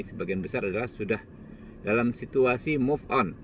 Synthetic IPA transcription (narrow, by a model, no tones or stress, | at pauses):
səbaɡianbəsaɾadalahsudah | dalamsit̪uasimufɔn